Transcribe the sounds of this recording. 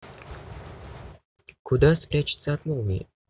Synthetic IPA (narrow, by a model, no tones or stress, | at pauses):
kud̪aspɾʲæt͡ɕɪ̥t̪səat̪molˠmʲḭ